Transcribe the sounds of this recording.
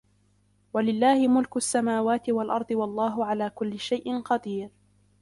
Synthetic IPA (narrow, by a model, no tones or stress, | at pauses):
walɪlːaːhɪmʊlkʊasːamaːwaːt̪ɪwalʔɑɾˤd̪ˤɨwɑlˤːɑːɦʊʕalaːkʊlːɪʃajʔɪnqɑd̪iːɾ